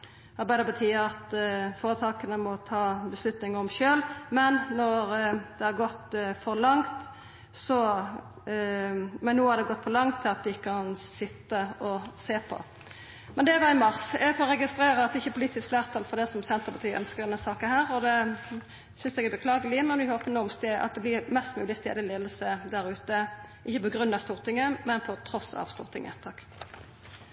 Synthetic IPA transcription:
ɑɾbæɪd̪əpʰɑt̪ʰiːəɑt̪foːɾət̪ʰɑːkənəmɔt̪ʰɑːbəslʉt̪nɪŋɔmʃøːlmɛnːɔɾd̪̥ɛhɑɾɡɔt̪ːfɔɾlɑŋt̪ | sɔ | mɛnːuːəhɑɾd̪ɛɡɔt̪ːfɔʁlɑŋt̪ʰːɪlɑt̪ʋɪɪkːəɑnsɪt̪ːəɔseːpʰɔ̰ | mɛnd̪ɛʋɑɪmɑʁsjɛɡfɔːʁɛɡɪst̪ɾeːɾəɑt̪d̪ɛɪçːəpʰʊliːt̪ɪskfleːʁt̪ʰɑlfɔd̪ɛsɔmsɛnt̪əʁpɑt̪ʰyːʔœ̰nskəʁd̪ɛnːəsɑːkənhæːʁɔd̪ɛ | sʏnsɛɡæɾbəkʰlɑːɡəlɪmɛnʋɪhoːpənumst̪eɑ̰t̪̚d̪ɛblɪɾmɛst̪mʉːlɪst̪ḛːd̪əleːd̪əl̩səd̪æɾʉːt̪əʔɪçːəpɔɡɾʉnːɑst̪uːɾt̪ɪŋəmɛnpʰɔt̪ʰɾɔsɑ̰ʋst̪ṵːɾt̪ɪŋə̰t̪ʰɑkː

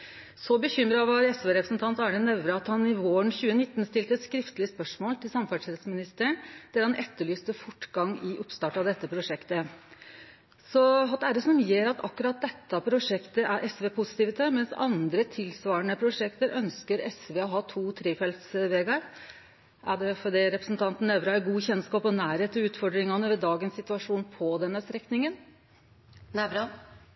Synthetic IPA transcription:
sɔbəçʏmɾɑʋɑɾɛsʋeːɾɛpɾəsnt̪ʰɑnt̪ɑːɳənɛʋɾəɑt̪hɑnɪʋoːəɳçʉːənɪt̪ːnst̪ɪlt̪əskɾɪft̪əlɪəspœʂmoːlt̪ɪlsɑmfæʈʂɛsmɪnɪst̪əəɳd̪̥ɛɾɑnʔɛt̪ːəɭyːst̪əfʊʈːɡɑŋːɪʔʊpst̪ɑːʈɑd̪ɛt̪ːəpʰɾʊʂɛkt̪ə | sɔɦɑt̪d̪ɛæɖ̪ɛsɔmjeːɾɑt̪ɑ̰kːʉɾɑt̪̚d̪ɛt̪ːɑpʰɾʊʂɛkt̪əʔæɾʔɛsʋeːpʰʊsɪ̥t̪ɪːʋɪt̪ʰəmɛnsɑ̰nd̪ɾət̪ʰɪlsʋɑːɾəɳəpʰɾʊʂɛkt̪əɾœnskəɾɛsʋeːɔɦɑːt̪ʰuːt̪ʰɾeːfɛlt̪sʋeːɡɑɾ | ʔæɖɛfɔɖiːɾɛpɾəsnt̪ʰɑnt̪n̩ɛʋɾɑæɡuːçɛnskɑːpɔnæːɾheːt̪ɔʉːt̪fɔɖɾɪŋɑnəʋɛd̪ɑːɡənssɪt̪ʉɑʂuːnpʰɔd̪ɛnːəst̪ɾɛknɪŋən | nɛʋɑ

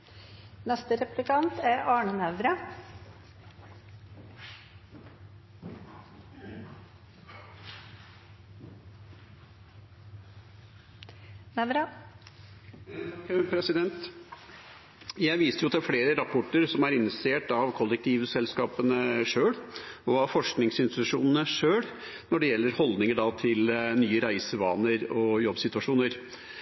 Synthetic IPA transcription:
nɛst̪əɾɛplɪkʰɑnt̪ʰæɾɑːɳənɛʋɾɑ | nɛʋɾɑ | pʰɾɛsɪd̪ɛnt̪ | jæɪʋiːst̪əjʊt̪ɪlfleːɾəɾɑpʰɔʈːəɾsɔmæɾɪnseːʈɑʋkʰɔlːɛk̚t̪ʰiːʋsɛlskɑːpənəʂøːɭɔɑʋfɔʂknɪŋsɪnst̪ɪt̪ʉʂuːnənəʂøːɽ | nɔɖɛjɛlːəɾhɔld̪nɪŋəɖɑːt̪ʰɪlnyːəɾæɪsəʋɑ̰ːnəɾɔjɔbsɪt̪ʉɑʂuːnəɾ

